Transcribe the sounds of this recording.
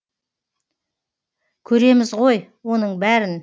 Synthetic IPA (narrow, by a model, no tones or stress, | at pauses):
kʲʰɵɾe̞mɪzʁo̞j | wo̞nəɴbæɾɪn